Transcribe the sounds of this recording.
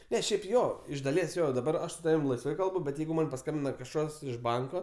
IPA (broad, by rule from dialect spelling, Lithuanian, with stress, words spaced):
ˈnʲɛ ˈʃʲɛɪp ˈjoː ɪʃ dɐˈlʲiɛs ˈjoː dɐˈbɐr ˈɐʃ sʊ ˈtɑːʋʲɪm lˠɐɪsˈʋɐɪ ˈkɐlˠbʊ bʲɛt ˈjɛɪɡʊ ˈmɐn pɐˈskɐmʲbʲɪnɐ kɐʃˈkɐs ɪʃ ˈbɐŋkoː